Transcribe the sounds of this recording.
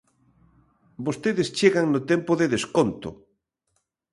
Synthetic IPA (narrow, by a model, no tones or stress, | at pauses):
bost̪eðɪst͡ʃeɣaŋnʊt̪ɛmpoðeðeskont̪ʊ̰